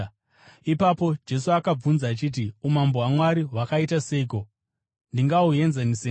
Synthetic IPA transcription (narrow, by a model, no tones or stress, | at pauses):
ipapo̞d͡ʒe̞suakab͡vunzaːt͡ʃit̬iumamboɦwamwaɾiɦwakaitase̞iko̞ | ndiŋɡaue̞nzenise